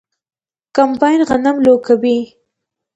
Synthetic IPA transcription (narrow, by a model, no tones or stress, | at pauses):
kampɑjnɣanamlokawi